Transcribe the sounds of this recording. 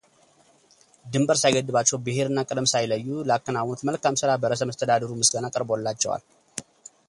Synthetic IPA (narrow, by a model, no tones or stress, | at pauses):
d̪ɨmbəɾsajɡəd̪ːɨβat͡ʃːɛwbɨhe̞ɾɨnːakʼɨd̪əmsajləjːuləakːənawnot̪məlkamsɨɾabəɾəsəməst̪ʰəd̪ad̪əɾumɨsɡənakʼəɾblːat͡ʃːɛwa̰l